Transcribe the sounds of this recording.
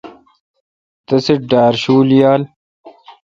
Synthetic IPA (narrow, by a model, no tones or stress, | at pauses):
t̪ɐseɖaːɾɕuːljaːl